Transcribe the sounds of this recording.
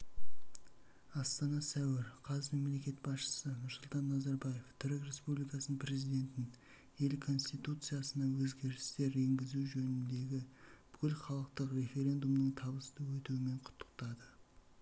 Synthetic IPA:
ɑst̪ɑnɑsæwɪɾqʰɑzme̞mle̞kʲe̞t̪̚bɑsʃə̥sənʊɾsʊlˠt̪ɑnːɑzɑɾbɑje̞ft̪ʰʏɾɪkre̞spublijkɑsnəpʰɾe̞zijd̪e̞nt̪ɪn | je̞lkʰo̞nst̪ijt̪ut̪sɨjasənɑwɵzɡʲe̞ɾɪst̪e̞ɾe̞ŋɡʲɪzuwʒɵnɪnd̪e̞ɡʲɪb̥ʏkʲɪlχɑlˠəqt̪əqre̞fe̞ɾʲe̞nd̪umd̪əɴt̪ʰɑbəst̪əwɵt̪uwɪme̞ɴqʰʊ̥t̪ʰːə̥qt̪ɑd̪ə

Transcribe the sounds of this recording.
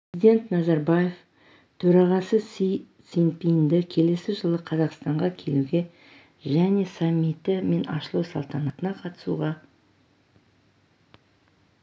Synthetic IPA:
zid̪ʲe̞nt̪nɑzɑɾbaje̞f | t̪ʰɵɾɑʁɑsə | sinpind̪ɪkʲʰe̞le̞sɪʒəlˠəqʰɑzɑqst̪ɑɴʁɑkʲʰe̞̰luɡʲe̞ | ʒæne̞samːit̪ɪme̞nɑ̰ʃəlˠɑwsɑlˠt̪ɑnɑt̪ənɑqʰɑt̪ə̥sṵʁɑ

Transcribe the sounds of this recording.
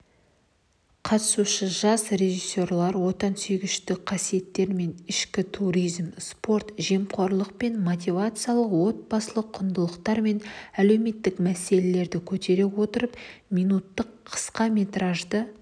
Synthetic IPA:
qʰɑt̪ə̥suʃəʒɑsɾe̞ʒisʲːo̞rlˠɑɾwo̞t̪ɑnsʏjɡʲɪʃt̪ɪqʰɑsije̞t̪ːe̞ɾme̞nɪʃkʲɪt̪ʰuɾijzmspo̞ɾt̪ʒemqʰoɾlˠəq̚pe̞nmot̪̬ʲijvat̪sɨjalˠəqwo̞t̪̚bɑsəlˠəqʰːʊnd̪əlˠəqt̪ɑɾme̞næle̞wme̞t̪ːɪkmæse̞lele̞ɾd̪ɪkʲʰɵt̪e̞ɾe̞wo̞t̪əɾəpmʲijnut̪ːəqʰə̥sqɑme̞t̪ɾaʒd̪ə

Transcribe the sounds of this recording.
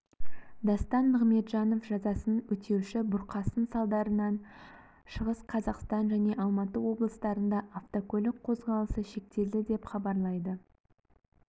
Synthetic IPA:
d̪ɑst̪ɑnməʁme̞t̪ʒɑno̞fʒɑzɑsənənwɵt̪ʰe̞wʃɪbʊɾqʰɑsənsɑlˠd̪ɑɾənɑn | ʃəʁəsqʰɑzɑqst̪ɑnʒæne̞ʔɑlˠmɑt̪əwo̞blˠəst̪ɑɾənd̪ɑʔːft̪okɵlʲɪk̚qʰo̞zʁɑlˠəsəʃe̞k̚t̪e̞ld̪ɪd̪e̞pχɑbɑɾlˠɑjd̪ə

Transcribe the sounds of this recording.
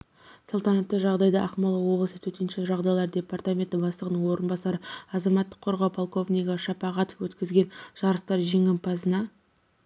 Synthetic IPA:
sulˠt̪ɑnɑt̪ːəʒɑʁd̪ɑjd̪ɑʔɑqmɑlˠəwo̞blˠəsət̪ʰɵt̪e̞nʃe̞kʒɑʁd̪ɑjlˠɑɾd̪ʲe̞part̪amʲe̞nt̪ɪbɑsˠəʁənəɴwo̞ɾənbɑsɑɾəɑzɑmɑt̪ːə̥qʰːo̞ɾʁɑwpʰolˠko̞vnʲijɡɑʃɑpɑʁɑt̪ofwɵt̪kʲɪzɡʲe̞nʒ̥ɑɾəst̪ɑɾʒe̞ŋɪmpʰɑzənɑ

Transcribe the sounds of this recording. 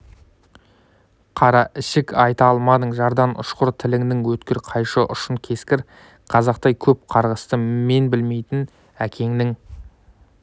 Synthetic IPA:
qʰɑɾɑʔɪʃɪkɑjt̪ɑlˠmɑd̪əɴʒɑɾd̪ɑnʊ̰ʃqʊɾt̪ʰɪlɪŋd̪ɪŋwɵt̪kʲɪɾqʰɑjʃəʔʊ̰ʃəɴkʲʰe̞skʲɪɾ | qʰɑzɑq̚t̪ɑjkʲʰɵp̚qʰɑɾʁəst̪əme̞nbɪlme̞jt̪ɪn | ækʲʰe̞ŋnɪŋ

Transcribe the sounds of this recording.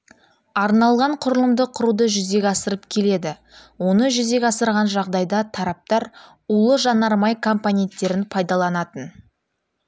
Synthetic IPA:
ɑɾnɑlˠʁɑɴqʰʊɾəlˠəmd̪əqʰʊɾud̪əʒʏze̞kʲɑsəɾəpkʲʰe̞le̞d̪ɪ | wo̞nəʒʏzekʲɑsəɾʁɑnʒɑʁd̪ɑjd̪ɑt̪ʰɑɾɑp̚t̪ɑɾ | ulˠəʒɑnɑɾmɑjkʰo̞mponʲe̞nt̪ːe̞ɾɪnpʰɑjd̪ɑlˠɑnɑt̪ən

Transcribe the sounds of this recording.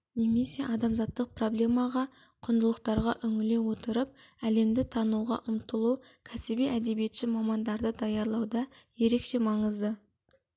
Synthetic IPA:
ne̞me̞se̞ʔɑd̪ɑmzɑt̪ːəq̚pro̞blʲe̞mɑʁɑ | qʰʊnd̪əlˠəqt̪ɑɾʁɑʔʏŋɪle̞wo̞t̪əɾəp̚æle̞md̪ɪt̪ʰɑnuʁɑ̰ʔʊmt̪əlˠukʲʰæsɪbeʔæd̪e̞bije̞t̪ʃɪmɑmɑnd̪ɑɾd̪əd̪ɑjɑɾlˠɑwd̪ɑje̞ɾe̞kʃe̞mɑɴəzd̪ə

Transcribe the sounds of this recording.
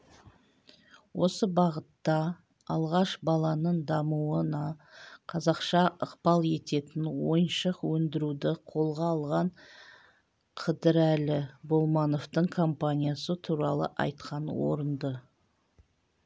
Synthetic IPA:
wʔo̞səbɑʁət̪ːɑ | ɑlˠʁɑʃbɑlˠɑnəɴd̪ɑmuənɑqʰɑzɑqʃɑəqpɑlˠe̞t̪e̞t̪ɪnwo̞̰jənʃəqwɵnd̪ɪɾud̪ɪqʰo̞lˠʁɑːlˠʁɑɴ | qʰəd̪əɾælɪbolˠmɑno̞ft̪əɴkʰo̞mpanʲijasət̪ʰuɾɑlˠə̰ʔɑ̰jt̪̚qʰɑnwo̰ɾənd̪ə

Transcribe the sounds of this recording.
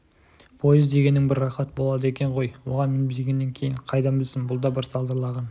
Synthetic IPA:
pʰo̞jɪzd̪e̞ɡʲe̞nːɪŋbɪrːɑχɑt̪əbo̞lˠɑd̪əe̞kʲe̞ɴʁo̞jwo̞ʁɑnmɪnbɪlɡʲe̞nːe̞ŋkʲʰe̞jɪɴqʰɑjd̪ɑnbɪlsɪmbʊlˠd̪ɑbɪɾsɑlˠd̪əɾlˠɑʁɑn

